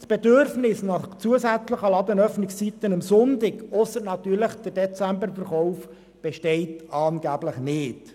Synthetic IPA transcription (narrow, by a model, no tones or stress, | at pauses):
sb̥edøɾfnɪsnɑχt͡suəsæt͡sləχəlɑd̪ənœfnɪkst͡sit̪ənəmsʊntɪkɔsətnɑt̪yːɾləχd̥əɾdɛt͡sæmbəɾfərχɔʊf | b̥ɛʃtɛɪtɑːnɡ̥æːbləχnɪːt